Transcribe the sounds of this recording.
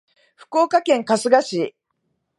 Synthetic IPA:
ɸɯ̟̥ko̞ːkakẽ̞ŋkasɨɡaɕi

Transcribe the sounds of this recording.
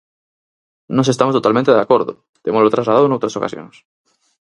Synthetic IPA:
nõsest̪amost̪ot̪almẽnt̪eðakoɾðo̰ | t̪emolot̪ɾazlaðaðoenowt̪ɾasoka̰sjo̰nes

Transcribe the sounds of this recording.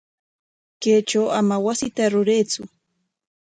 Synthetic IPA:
keːt͡ʃawamawasɪt̪aɾʊɾeːt͡sʊ

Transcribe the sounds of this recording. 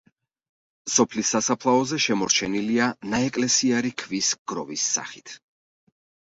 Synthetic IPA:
sɔpʰlisːasapʰlˠaɔzɛʃɛmɔɾt͡ʃʰɛnilianaɛkʼlɛsiaɾikʰvisɡ̥ɾɔ̰visːa̰χit̪ʰ

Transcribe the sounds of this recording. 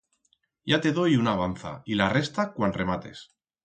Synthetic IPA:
ɟ͡ʝat̪e̞ðojunaːβ̞an̟θa̰ilare̞st̪akwanre̞mat̪e̞̰s

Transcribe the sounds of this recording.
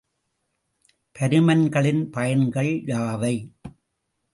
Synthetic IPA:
pʰɐɾɯmɐnɡɐɭɪnpɐjɐnɡɐɭjaːʋɐɪ

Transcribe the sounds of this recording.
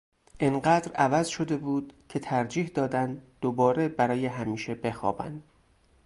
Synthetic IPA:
ʔinɢæːd̪ɾævæzʃo̞d̪e̞buːd̪̥cʰe̞t̪ʰæɾd͡ʒiːhd̪ɒːd̪ænd̪d̪̥obɒːɾe̞bæɾɒːje̞ɦæmiːʃe̞be̞xɒ̰ːbæ̰nd̪

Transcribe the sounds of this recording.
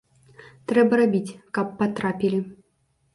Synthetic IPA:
t̪ɾɛbɐɾabʲit͡sʲkapːat̪ɾapʲilʲi

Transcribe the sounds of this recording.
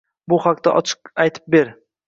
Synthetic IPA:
bʊχaq̚t̪a̰ʔɒt͡ʃʰɨ̥qajt̪ʰɪ̥p̚be̞ɾ

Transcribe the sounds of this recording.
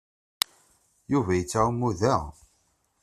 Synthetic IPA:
juvæjət͡sːaumːuðæ

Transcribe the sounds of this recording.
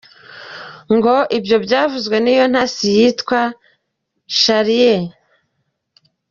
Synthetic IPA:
ŋɡo̞ʔibjo̞bɟaːvuzɡwe̞niːjo̞n̥hasijiːtkwa | ʃaɾije

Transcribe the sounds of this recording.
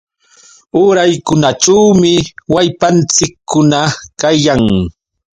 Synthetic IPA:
ʊɾajkʊnaʈ͡ʂawmɪwajpant͡sɪkʰːʊnakajaŋ

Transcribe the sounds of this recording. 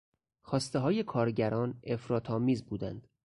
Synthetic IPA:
xɒːst̪eɦɒːje̞kʰɒːɾɟæɾɒːne̞fɾɒːt̪ʰɒːmiːzbuːd̪ænd̪̥

